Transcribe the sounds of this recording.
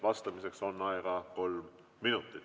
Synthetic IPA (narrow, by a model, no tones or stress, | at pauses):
vɑst̪ɑmise̞kso̞nːɑeɡ̥ɑko̞lmː | inut̪ˑːit̪